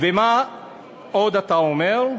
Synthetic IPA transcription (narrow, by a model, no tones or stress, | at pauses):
vema | od̪at̪aomeʁ